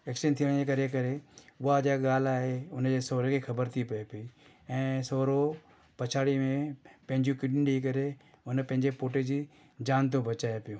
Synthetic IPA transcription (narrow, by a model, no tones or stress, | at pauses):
eːkʃənt̪ʰijəɽ̃d͡ʑekɐɾekɐɾeʊɦad͡ʑeɠaːl̤aːɦeʊnd͡ʑeːsoːɾekʰexʰɐbəɾt̪ʰipɐepɪi | ɛ̃ːsoːɾo | pɐt͡ɕʰaːɽimẽpɐ̃ɦɪ̃ɲd͡ʑjũkɪɗɪnɗik̬ɐɾe | ʊnpɐ̃ɦɪ̃ɲd͡ʑepoːʈed͡ʑiː | d͡ʑaːnt̪̬õbʱɐt͡ɕaːjepijoː